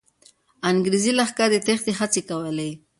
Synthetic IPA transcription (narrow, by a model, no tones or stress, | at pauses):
aŋɡɾizilaxkad̪ət̪exd̪eɦat͡sekawəle